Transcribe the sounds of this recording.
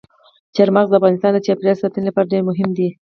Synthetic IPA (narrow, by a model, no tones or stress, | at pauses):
t͡ʃaɾmaɣzd̪əafɣɑnɪst̪ɑnd̪ət͡ʃɑpɾɑsɑt̪ənɪlapɑɾaɖeɾmʊɦɪmd̪i